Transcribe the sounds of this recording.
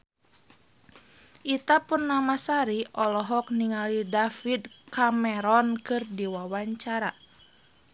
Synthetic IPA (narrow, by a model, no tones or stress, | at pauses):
ʔit̪apunːamasaɾiʔɔlɔɦɔk̚niŋalidafid̪kamɛɾɔnkɨrdiwawaɲt͡ʃaɾa